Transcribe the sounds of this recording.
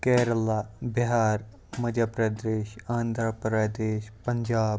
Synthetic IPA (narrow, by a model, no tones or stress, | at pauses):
kɛːɾɐlabɪɦaːɾ | mɐd͡ʒapɾɐd̪eːʃaːnd̪ʱɾapɾɐd̪eːʃpɐɲd͡ʒaːb